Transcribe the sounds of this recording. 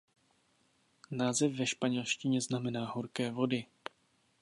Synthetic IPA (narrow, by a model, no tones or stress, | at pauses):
naːzɛfvɛʃpaɲɛlʃcɪɲɛznamɛnaːɦoɾkɛːvo̞dɪ